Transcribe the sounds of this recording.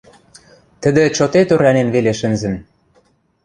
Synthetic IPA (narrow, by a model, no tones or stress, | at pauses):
t̪ə̆d̪ĕt͡ɕot̪et̪øɾænenβeleʃɘ̆nzɘ̆n